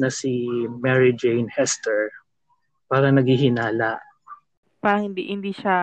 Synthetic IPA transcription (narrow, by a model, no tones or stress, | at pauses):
nɐsɪmɛɹɪd͡ʒɛjnhɛst̪ɛɹ | paːɾɐnɐɡhiɦɪnaːlaʔ | paːɾɐŋhɪnd̪ḭʔhɪnd̪iːʃa